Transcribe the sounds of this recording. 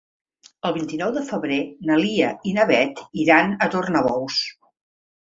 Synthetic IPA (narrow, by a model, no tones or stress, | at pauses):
əlˠβint̪inɔwðəfəβɾenəliəinəβɛt̪iɾanət̪ornəβɔws